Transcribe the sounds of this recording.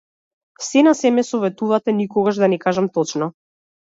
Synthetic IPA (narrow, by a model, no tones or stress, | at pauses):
sɛnasɛmɛsɔvɛt̪uvat̪ɛnikɔɡaʒd̪anɛkaʒamt̪ɔt͡ʃnɔ